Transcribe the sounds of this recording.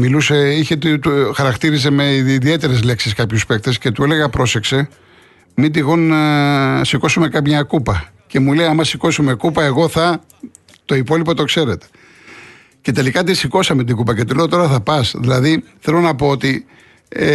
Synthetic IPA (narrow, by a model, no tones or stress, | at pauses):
miluseiçet̪t̪uxɐɾɐkt̪iɾis̬eme̞iðie̞t̪e̞ɾe̞zle̞ksiskɐpçuspe̞k̚t̪esce̞t̪ue̞le̞ɣɐpɾo̞se̞kse̞ | mid̪iɣon | siko̞sume̞kɐmɲɐkupɐ | ce̞muleɐmɐsiko̞sume̞kupɐe̞ɣo̞θɐ | t̪o̞ipo̞lipo̞t̪o̞kse̞ɾe̞t̪e̥ | ce̞t̪e̞likɐt̪isiko̞sɐmet̪iɡupɐce̞t̪ule̞ot̪o̞ɾɐθɐpɐsðilɐðiθe̞lo̞nɐpo̞ot̪i